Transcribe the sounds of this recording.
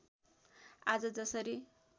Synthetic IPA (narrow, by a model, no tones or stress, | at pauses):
ad͡zʌd͡zʌsʌɾi